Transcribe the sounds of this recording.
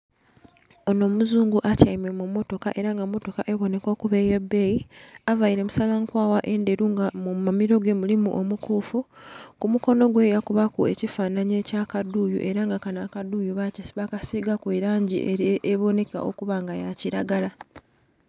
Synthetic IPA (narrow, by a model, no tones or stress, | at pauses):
ono̞ːmuzuːŋɡuʔacaimemumːo̞to̞kaʔe̞ɾaŋɡamːo̞to̞kaʔe̞βo̞ne̞ko̞ːkuβe̞je̞bːe̞ːjiavaiɾemusalaŋkwaːwaʔe̞nde̞ɾuŋɡamumamiɾo̞ɡe̞mulimṵʔo̞mukuːfukumuko̞no̞ɡwe̞jakuβakue̞cifaːnaɲe̞cakaduːjṵʔe̞ɾaŋɡakanakaduːjuβacisiβakasiɡakweːɾaːɲɟḭeeβo̞ne̞ka̰ʔo̞̰kuβaŋɡajaciɾaɡala